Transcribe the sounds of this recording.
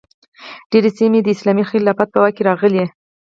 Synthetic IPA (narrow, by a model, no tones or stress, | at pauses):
ɖ̥eɾesimed̪əɪslɑmixelːɑfat̪̚pəwakeɾɑɣəle